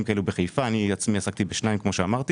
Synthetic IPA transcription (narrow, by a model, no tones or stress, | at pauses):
mkaʔelubeχejfaːniat͡smiasak̚t̪ibeʃnaimkmo̞ʃeamaʁt̪i